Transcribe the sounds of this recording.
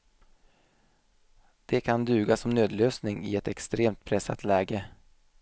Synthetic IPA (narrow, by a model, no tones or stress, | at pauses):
d̪̥ɛkʰand̪ʉ̟ːɡasɔmnøːd̪løːsnɪŋɪ̰ɛt̪ɛkst̪ɾeːmt̪̚pʰɾɛsːa̰t̪lɛːɡə